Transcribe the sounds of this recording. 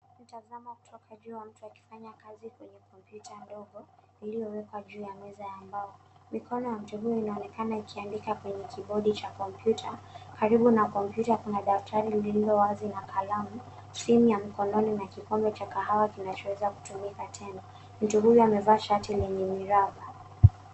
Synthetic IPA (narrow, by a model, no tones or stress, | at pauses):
n̩tazamaku̥tʰɔkʰaʄuːwam̩tuaki̥faɲakazikwɛɲɛkɔmpjutʰandɔɠɔ | ilijɔwɛkwaʄuːjamɛzajambaɔ | mikʰɔnɔjam̩tuɦujɔinaɔnɛkanaikʰiandikakwɛɲɛkiɓɔɗit͡ʃakɔmpjutʰakaɾiɓunakɔm̩pjutakunaɗaftʰaɾiliilɔwazinakʰalamu | simjamikɔnɔninakikɔmbɔt͡ʃakaɦawakinat͡ʃɔwɛzaku̥tumikatʰɛna | m̩tuɦujɔamɛvaːʃatilɛɲɛmiɾava